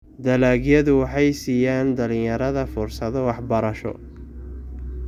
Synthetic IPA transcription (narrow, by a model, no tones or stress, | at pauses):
d̪ɐlaːɣjɐðʊwɑħɑjsiːjaːnd̪ɐlɪ̃jɐɾɐðɐfʊrsɐðɔwɑħbɐɾɐʃɔ̰